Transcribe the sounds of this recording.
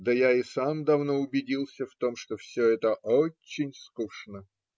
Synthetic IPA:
d̪əjaɪsamd̪ɐvno̞ʊbʲɪdʲilˠsʲəft̪o̞mʂt̪ofsʲoɛt̪əʔot͡ɕːɪnʲskuʂnə

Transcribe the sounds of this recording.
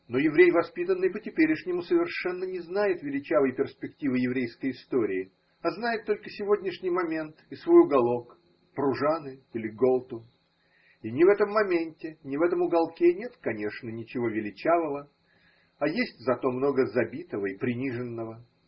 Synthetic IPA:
no̞jɪvɾʲejvɐspʲit̪ənːɨjpətʲɪpʲeɾʲɪʂnʲɪmusəvʲɪrʂɛnːənʲɪznajɪt̪vʲɪlʲɪt͡ɕavəjpʲɪrspʲɪktʲivɨjɪvɾʲejskəjɪst̪o̞ɾʲɪːɪ | ɐznajɪt̪ːo̞lʲkəsʲɪvo̞dʲnʲɪʂnʲɪjmɐmʲe̞nt̪ɪsvo̞jʊɡɐlˠo̞k | pɾʊʐanɨilʲɪɡolˠt̪ʊ | inʲɪvɛt̪əmːɐmʲenʲtʲɪnʲɪvɛt̪əmʊɡɐlˠkʲenʲe̞t̪kɐnʲe̞ʂnənʲɪt͡ɕɪvo̞vʲɪlʲɪt͡ɕavəvə | ɐjesʲtʲzɐt̪o̞mno̞ɡəzɐbʲit̪əvəipɾʲɪnʲiʐɨnːəvə

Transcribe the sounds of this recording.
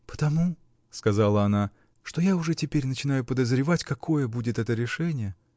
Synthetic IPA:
pə̥t̪ɐmu | skɐzalˠəɐna | ʂt̪o̞jaʊʐɛtʲɪpʲeɾʲnət͡ɕɪn̪ajʊpəd̪əzɾʲɪvatʲkɐkʰo̞jəbudʲɪt̪ɛt̪əɾʲɪʂɛnʲɪjə

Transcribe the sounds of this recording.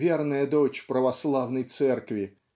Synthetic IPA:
vʲernəjəd̪ot͡ɕpɾəvɐslˠavnəjt̪sɛrkvʲɪ

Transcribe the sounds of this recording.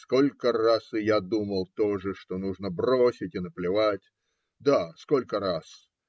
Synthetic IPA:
sko̞lʲkərasɨjad̪uməlˠt̪o̞ʐɨʂt̪o̞nuʐnəbrosʲɪtʲɪnəplʲɪvatʲ | d̪askolʲkəɾas

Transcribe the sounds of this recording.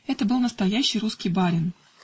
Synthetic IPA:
ɛt̪əbɨlˠnəst̪ɐjæɕːɪjɾuskʲijbaɾʲɪn

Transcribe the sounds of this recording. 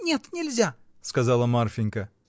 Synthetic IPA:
nʲe̞t̪nʲɪlʲzʲa | skɐzɑlˠəmarfʲɪŋʲkə

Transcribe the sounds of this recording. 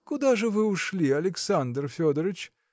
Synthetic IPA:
kʊd̪aʐɨvɨʊʂlʲiɐlʲɪksand̪rfʲod̪əɾɨt͡ɕ

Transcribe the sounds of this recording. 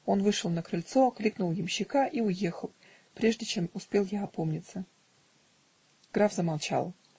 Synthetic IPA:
o̞nvɨʂəlˠnəkɾɨlʲt̪so̞klʲiknʊlˠjɪmɕːɪkaʔiʊje̞xəlˠ | pɾʲeʐdʲɪt͡ɕe̞mʊspʲelˠjaɐpo̞mnʲɪt̪sə | ɡ̥ɾavzəmalˠt͡ɕa̰lˠ

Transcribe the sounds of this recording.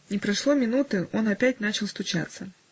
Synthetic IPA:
nʲɪpɾɐʂlˠomʲɪnut̪ɨo̞nɐpʲæt̚ʲnat͡ɕɪlˠst̪ʊt͡ɕa̰t̪sə

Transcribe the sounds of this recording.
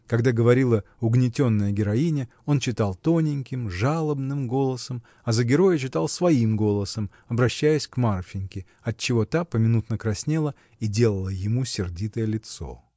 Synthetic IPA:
kɐɡd̪aɡəvɐɾʲilˠəʊɡnʲɪtʲo̞nːəjəɡʲɪɾɐinʲɪ | o̞nt͡ɕɪt̪ɑlˠt̪o̞nʲɪnʲkʲɪmʐalˠəbnɨmɡo̞lˠəsəm | ɐzəɡʲɪɾo̞jət͡ɕɪt̪alˠsvɐimɡo̞lˠəsəm | ɐbɾɐɕːæjɪsʲkmarfʲɪnʲkʲɪ | ɐt̚t͡ɕːɪvo̞t̪apəmʲɪnut̪nəkɾɐsʲnʲelˠə | idʲe̞lˠəlˠəjɪmusʲɪrdʲit̪əjəlʲɪt̪so̞̰

